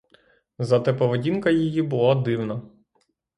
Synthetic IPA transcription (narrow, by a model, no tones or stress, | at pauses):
zɐt̪ɛpɔʋedʲinkɐjijibʊlˠɔd̪ɪwnɐ